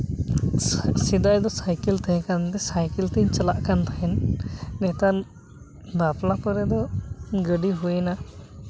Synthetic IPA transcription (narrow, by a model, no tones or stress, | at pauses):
sid̪ajd̪ɔsajkilt̪ɛɦɛ̃kant̪ɛsajkilt̪iɲt͡ʃalaʔkant̪ʰaɦɛnːɛt̪an | baplapɔɾɛd̪ɔɡəɖiɦuena